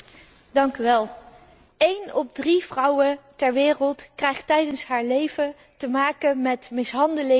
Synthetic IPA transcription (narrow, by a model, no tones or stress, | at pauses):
dɑŋkyʋɛlˠ | ejnɔb̚driv̥rɑwətɛɹʋɪːrəlˠtkrɛjχtɛjdənsɦaːɹlejvə | təmaːkəmɛtmɪsɦɑndəlɪ